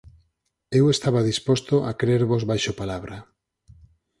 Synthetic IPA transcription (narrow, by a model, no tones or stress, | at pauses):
ewest̪aβaðispost̪oʔakɾeɾβozβajʃopalaβɾa